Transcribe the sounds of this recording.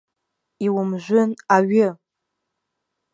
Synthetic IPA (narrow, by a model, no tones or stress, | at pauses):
iwʊmʒᶣʷʊnaɥɪ